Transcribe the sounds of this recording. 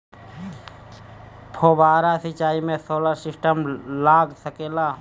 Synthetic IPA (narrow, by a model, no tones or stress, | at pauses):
pʰobaːɾasit͡ʃaːimẽsoːləɾsɪsʈəmlaːɡsəkeːla